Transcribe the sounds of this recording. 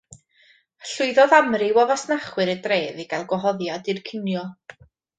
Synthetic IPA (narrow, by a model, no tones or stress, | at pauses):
ɬʊɨðɔðamrɪwɔvasnaχwɨɾədreːðiɡalˠɡwɔɦɔðjadɨrkʰɪnjɔ